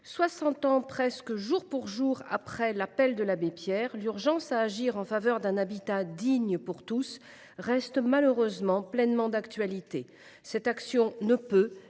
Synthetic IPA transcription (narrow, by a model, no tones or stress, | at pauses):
swasɑ̃t̪ɑ̃pχɛskəʒuʁpuʁʒuʁa̰pχɛlapɛld̪əlabepjɛʁlyʁʒɑ̃saːʒiʁɑ̃favœʁd̪ɛ̃nabit̪ad̪iɲəpuʁt̪us | ʁɛst̪maløʁøzmɑ̃plɛnmɑ̃d̪akt̪ɥalit̪e | sɛt̪aksjɔ̃nəpø